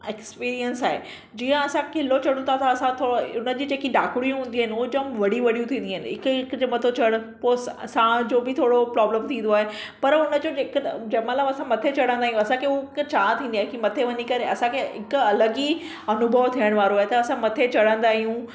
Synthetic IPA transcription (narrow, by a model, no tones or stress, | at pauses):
ekspiːɾijənsaːɦḛ | d͡ʑiːə̃ɐsãkɪlot͡ɕɐɽũt̪ʰat̪ʰaɐsãt̪ʰoːɽoʊnə̆d͡ʑiːd͡ʑeːkiɖaːkʊɽijũɦũːn̆d̪iɦɪnɪ̆ʊɦod͡ʑomʋɐɽ̤iʋɐɽijũt̪ʰĩːn̆d̪iɦɪnɪɦɪkɪkd͡ʑmɐt̪ʰot͡ɕɐɽəpossãd͡ʑoːbɪt̪ʰoːɽopɾaːbləmt̪ʰĩːn̆d̪oaːɦe | pɐɾʊnəd͡ʑoːd͡ʑeːkd͡ʑɐmãləbɐsãmɐt̪ʰet͡ɕɐɽ̤ə̃nd̪aːɦijũɐsãkʰekt͡ɕaːt̪ʰĩːnd̪iaːɦekimɐt̪ʰeʋɐɲikɐɾeɐsãkʰeɦɪkʊɐləɡi | ɐnʊbʱəʋt̪ʰiəɽ̃ʋaːɾoaːɦet̪ɐɐsãmɐt̪ʰet͡ɕɐɽ̤ə̃n̆d̪aːɦijũ